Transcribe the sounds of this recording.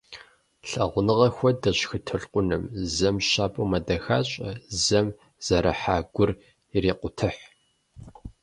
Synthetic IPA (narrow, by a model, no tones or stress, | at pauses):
ɬɐʁʷʊnɨʁɐxʷɔdɐɕxɨtʰɨɬqʷʼʊnɨmzɐmɕaːpʼoːmɐdɐxaːɕʼɐzɐm | z̥ɐɾʔɐħaːɡʷʊr | ireːqʷʊtʰɨħ